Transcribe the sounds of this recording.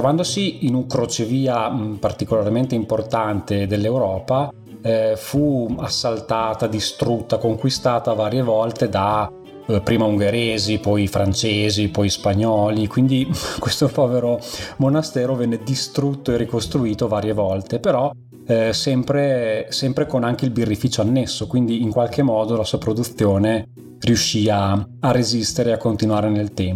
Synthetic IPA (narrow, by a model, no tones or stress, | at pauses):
t̪ɾovand̪osiːnuŋkɾot͡ʃeviːapart̪ikolarment̪eimport̪ant̪ed̪elːewɾɔːpa | fuasːalt̪aːt̪ad̪ist̪ɾut̪ːakoŋkwist̪aːt̪avaːɾjevɔlt̪ed̪a | pɾiːmauŋɡeɾeːzipɔjfɾant͡ʃeːzipɔjspaɲːɔːlikwind̪ikwest̪opɔːveɾomonast̪ɛːɾovɛnːed̪ist̪ɾut̪ːoerːikost̪ɾuiːt̪ovaːɾjevɔlt̪epeɾɔ | sɛmpɾesɛmpɾekonaŋk̟eilbirːifiːt͡ʃoanːesːokwind̪iːŋkwalk̟emːɔːd̪olasuːapɾod̪ut̪θːjoːne | rijuʃːiːaarːezist̪eɾeakːont̪inwaːɾenelt̪ɛmpo